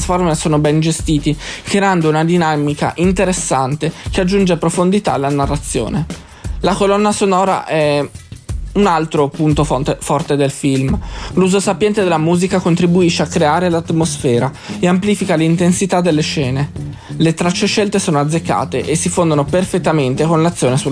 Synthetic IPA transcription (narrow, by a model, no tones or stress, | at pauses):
sformesoːnobɛnd͡ʒest̪iːt̪ikɾeand̪ounad̪inamika̰ʔint̪eɾesːant̪ekead͡ʒːund͡ʒeapɾofond̪it̪alːanarːat̪sːjo̰ːne | lakolɔnːasonɔːɾa̰ʔɛ | unalt̪ɾopunt̪ofɔrt̪ed̪elfilmluzosapjɛnt̪ed̪elːamuːzikakont̪ɾibuiʃːeakːɾeaːɾelat̪mosfɛːɾa | eamplifikalint̪ensit̪ad̪ːelːeʃɛːne | let̪ɾat͡ʃːeʃːɛlt̪esoːnoad̪zːekːa̰ːt̪eʔesːifond̪onoperfet̪ːament̪ekonlat̪sːjoːnesu